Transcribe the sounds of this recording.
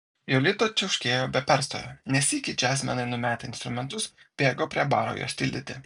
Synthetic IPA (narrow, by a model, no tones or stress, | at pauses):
joːlʲɪt̪oːt͡ʃʲɛʊʃʲkʲeːjoːbʲɛpʲæɾst̪o̰ːjo̰nʲɛsʲiːkʲɪd͡ʒʲɛaːsʲmʲɛnɐɪnʊmʲæːt̪ʲɪɪnst̪ɾʊmʲɛnt̪ʊsb̥ʲeːɡoːpʲɾʲiɛbɑːɾo̰ːjṵɔsʲt̪ʲɪlʲd̪ʲɪt̪ʲɪ